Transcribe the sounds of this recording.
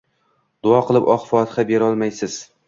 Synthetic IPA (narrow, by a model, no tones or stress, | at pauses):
d̪̥ʊɒqʰɨlˠɪpɒχfɒt̪ʰɪ̥χabeɾɒlˠmajsɪz̥